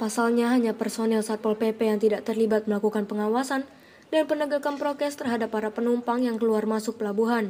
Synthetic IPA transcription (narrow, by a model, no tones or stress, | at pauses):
pasalɲaɦaɲapərsonɛlsat̪̚pɔlpepɛjaŋt̪idaʔt̪ərlibat̪̚məlakukanpəŋawasan | dnpənəɡakanpɾok̪ɛst̪ərɦadapːaɾapənumpaŋjaŋkəluarmasʊk̚pəlabuɦan